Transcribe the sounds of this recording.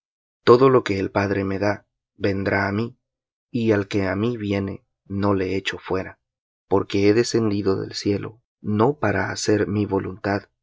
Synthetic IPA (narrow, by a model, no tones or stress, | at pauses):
t̪o̞ðo̞lo̞ke̞ːlpaðɾe̞me̞ða | βe̞nd̪ɾaːmi | ialke̞amiβje̞ne̞̰ | no̞le̞et͡ʃo̞fwe̞ɾa | po̞ɾke̞eðe̞se̞nd̪iðo̞ðḛlsje̞lʔo̞̰ | no̞paɾaːse̞ɾmiβo̞lunt̪að